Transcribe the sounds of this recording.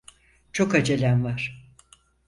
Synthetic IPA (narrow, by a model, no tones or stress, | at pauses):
t͡ʃʰo̞kad͡ʒelʲænvaɾ̥